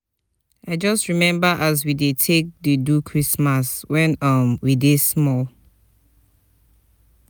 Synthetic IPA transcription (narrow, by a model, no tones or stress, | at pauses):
aɪd͡ʒʌstɹimɛ̃mbaʔaz̬widetʰek̚dedukʰɹismaswɛ̃nʌmwidesmɔl